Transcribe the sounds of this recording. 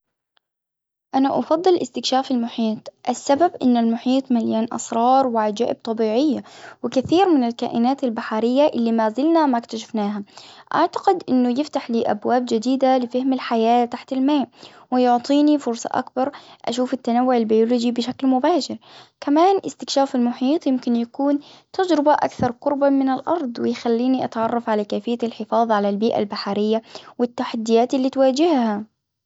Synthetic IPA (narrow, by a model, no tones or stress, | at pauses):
ʔanaʔɑ̰fɑd̪ˤːɨlʔɪ̰st̪ɪkʃaːfalmʊħiːt̪ˤʔasːababʔɪ̰nːalmʊħiːt̪ˤmaljaːnʔɑ̰sɾˤɑːɾˤwɪʕad͡ʒa̰ːʔɪb̚t̪ˤɑbiːʕɪjːawɪkaθiːɾmɪnɪlka̰ːʔɪnaːt̪albaħaɾɪjːaʔɪlːimaːzɪlnamakt̪aʃ̬ḁfnaːɦaʔa̰ʕt̪ḁqɪd̪ʔɪnːʊjɪft̪aħliːʔa̰bwaːb̚d͡ʒɪd̪iːd̪alɪfahmɪlħajaːt̪aħt̪almaːʔ | wɪjʊʕt̪ˤiːnifʊɾsˤɑ̰ʔa̰kbɑɾˤʔa̰ʃuːfɪt̪ːanawːʊʕalbajulʊd͡ʒibɪʃaklmʊbaːʃɪɾkamaːnʔɪ̰st̪ɪkʃaːfɪlmʊħiːt̪ˤjɪmkɪnjakuːnt̪ad͡ʒɾɪbaʔa̰kθɑɾˤqʊɾbamɪnɪlʔɑ̰ɾˤd̪ˤwɪjxalːiːniʔat̪ʕɑrˤːɑfʕalakaːfɪjːalħɪfɑːðˤʕalalbiːʔa̰lbaħaɾɪjːawɪt̪ːaħad̪ːɪjaːt̪ɪlːiːt̪waːd͡ʒɪhha